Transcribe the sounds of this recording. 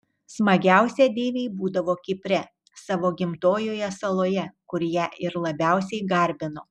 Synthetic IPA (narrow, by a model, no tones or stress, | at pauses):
smɐɡʲæˑʊsʲɛd̪ʲeːʋʲeɪbuːd̪ɐʋoːkʲɪpʲɾʲɛ | sɑʋoːɡʲɪmt̪oːjoːjɛsɐlˠoːjɛkʊɾʲjɛʔɪɾlˠɐbʲæˑʊsʲɛɪɡɐɾʲbʲɪnoː